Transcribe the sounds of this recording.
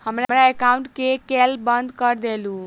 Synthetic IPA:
həmɾamɾaekaũɳʈkekelbənd̪kəɾd̪elũ

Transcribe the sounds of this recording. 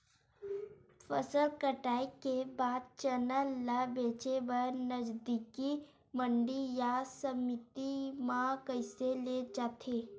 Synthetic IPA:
fʰəsəlkəʈaːikebaːd̪̚t͡ʃənəlːabeːt͡ʃebənəd͡ʒd̪iki | mə̃ɳɖijasəmɪt̪imãkəɪseled͡ʒaːt̪ʰeː

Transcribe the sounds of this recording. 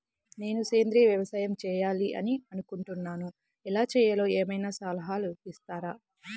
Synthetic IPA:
ne̞ːnuseːnd̪ɾiːʋjɐʋɐsaːjɐmt͡ʃɛːjaːliʔɐ̰niɐnukuɳʈunːaːnu | ɛlaːt͡ʃɛːjɐlo̞ːeːmɐjnaːsaːlɐɦaːluist̪aːɾaː

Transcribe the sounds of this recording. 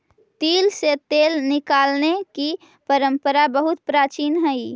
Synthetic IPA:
t̪iːlset̪eːlnɪkaːlneki | pəɾə̃mpəɾabəɦʊt̪̚pɾaːt͡ʃiːnɦəi

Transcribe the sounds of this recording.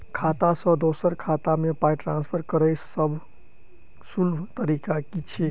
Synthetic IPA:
kʰat̪asə̃d̪osəɾkʰat̪amepajʈɾãnspʰəɾkəɾəjsʰsəbʱ | sulbt̪əɾikakit͡ʃʰi

